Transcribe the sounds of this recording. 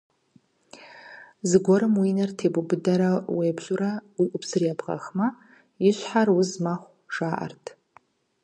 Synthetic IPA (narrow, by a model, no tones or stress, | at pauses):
zɨɡʷɔɾɨmwinartʰebʊbɨdaɾaweːbʒʷʊɾaiʔʷʼʊpʰsɨrijapʰqa̰χma | iʃʷħarwʊzmaχʷ | ʂaːʔa̰rtʼʰ